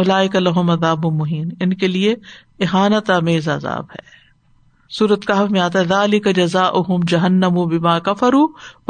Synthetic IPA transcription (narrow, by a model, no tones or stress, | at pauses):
ʊlaːɪkɐlɐɦʊmɐðaːbʊmʊɦiːnɪnkelie | ɪɦaːnət̪aːmeːza̰ːza̰ːbhɛ̰ː | suːɾət̪kaɦɐfmẽaːt̪̬aɦɛðaːlɪkɐd͡ʒɐzaːʔʊɦʊmd͡ʒɐɦɐnːɐmʊbɪmaːkɐfɐɾuː